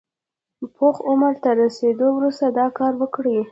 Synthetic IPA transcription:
pʰoxʊməɾt̪aɾased̪owɾust̪ad̪ɑkɑɾwəkɽi

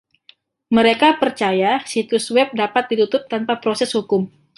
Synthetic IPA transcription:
məɾekapərt͡ʃajasit̪uswɛp̚dapat̪̚dit̪ut̪ʊp̚t̪anpapɾosɛshukʊm

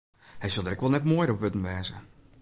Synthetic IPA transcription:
hɛjsølˠdəɾɛkʋɔlˠnɛtmoːjrɔpʋøtən̩ʋɛːzə

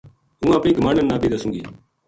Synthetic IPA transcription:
ũːãːpĩːɡəmaːnənːaːbiːd̪asũːɡḭː

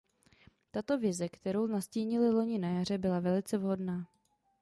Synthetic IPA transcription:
t̪at̪o̞vɪzɛkt̪ɛɾo̞wnasciːɲɪlɪlo̞ɲɪnajar̝ɛbɪlavɛlɪt͡sɛvɦo̞dnaː

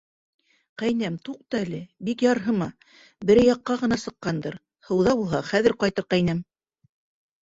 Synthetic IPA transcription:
qæjnæmt̪uq̚t̪ɑælɘbikjɑɾɦɤmɑ | bɘ̆ɾjɑqːɑʁɤ̆nɑsɤ̆qːɑnd̪ɤɾ | hɤ̆wðɑbulˠɦɑχæðɘ̆ɾqɑjt̪ɤɾqæjnæm

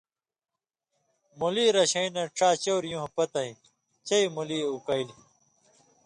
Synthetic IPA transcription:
muliːɾɐɕɐinɐʈ͡ʂaːt͡ɕoːwɾjũɦpɐt̪ɐɦĩ | t͡ɕɐimuliːukɐili

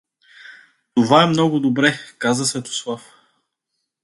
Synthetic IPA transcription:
t̪ovaɛmnɔɡʊd̪obɾɛkazəsvɛt̪ʊ̥slˠaf

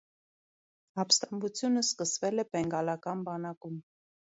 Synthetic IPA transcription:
ɑpst̪ɑmbut͡sʰjunəskəsvɛlɛpɛŋɡɑlɑkɑnbɑnɑkum

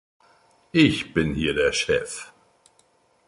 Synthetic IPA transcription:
ʔɪçb̥ɪnhiːɐdeːɐʃɛf

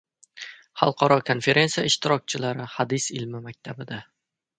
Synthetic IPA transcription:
hɑ̰lˠqʰɒɾɒkʰonfe̞ɾʔe̞nsijaɪʃt̪ɪɾɒk̚ʲt͡ʃʰɪlaɾɪhad̪ɪsɪlmɪmak̚ʲt̪ʰabɪd̪a

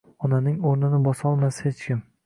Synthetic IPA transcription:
ɒnanɪŋoɾnɪnɪbɒsɒlˠmashet͡ʃkʲɪm

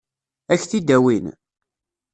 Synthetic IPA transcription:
æçθid̪æwin

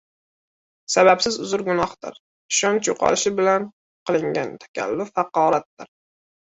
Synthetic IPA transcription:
sabapsɪzʊzʊɾɡʊnɒhd̪ɪ̰ɾ | ɪʃɒnt͡ʃʰoqʰɒ̰lɪʃɪbɪlan | qʰɨlˠɪŋɡʲant̪ʰḁkʲʰa̰lːʊfɑqɒːɾat̪̚d̪ɪɾ

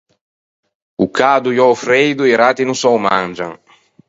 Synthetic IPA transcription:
ukad̪ujɔfɾejd̪ueɾat̪inusɔwmãnd͡ʒaŋ

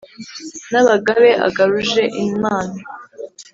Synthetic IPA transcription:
naβaɡaβe̞a̰ɡaɾuʒe̞ʔimaːna

